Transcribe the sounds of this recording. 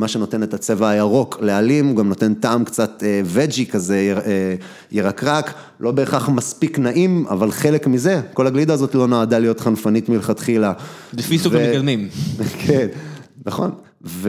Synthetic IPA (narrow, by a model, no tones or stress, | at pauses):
maʃe̞no̞te̞ne̞tat͡se̞vaajaʁo̞kle̞alimuɡamno̞te̞ntaːmkt͡sateve̞d͡ʒikaze̞je | jeʁakʁak | lʔo̞be̞ːχaχmaspiknaʔima̰valχe̞lekmize̞ko̞laɡlidaːzo̞tlo̞naːdalijo̞t̪χanfanitmilχat̪χilabefisuvɡad̪mimkʰenːaχo̞̰n | ve